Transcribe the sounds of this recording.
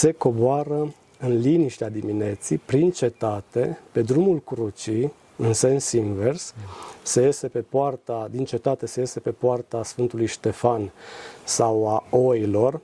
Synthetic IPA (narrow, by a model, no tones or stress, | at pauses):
se̞ko̞boaɾə | ɨnliniʃt̪ead̪imine̞t̪sipɾint͡ʃe̞t̪at̪e̞pe̞d̪ɾumulkɾut͡ʃi | ɨnse̞nsinve̞rsse̞je̞se̞pe̞poart̪ad̪int͡ʃe̞t̪at̪e̞se̞je̞se̞pe̞poart̪asfɨnt̪ulujʃt̪e̞fansawao̞ilo̞r